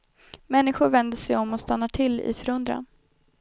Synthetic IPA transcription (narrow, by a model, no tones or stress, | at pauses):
mɛnːɪɧʊɾvɛnd̪əsɛjɔmːɔst̪anːaʈʰɪlɪ̰fœɾɵnd̪ɾa̰n